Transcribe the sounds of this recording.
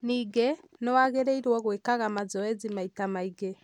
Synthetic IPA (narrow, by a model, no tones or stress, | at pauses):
niːɡɛnɔwaɣeɾeiɾwɔɣwekaɣamazɔɛzimaitamaiɡɛ